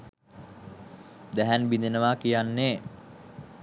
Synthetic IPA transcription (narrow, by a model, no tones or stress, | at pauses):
d̪æɦænbind̪enəʋakijanːeː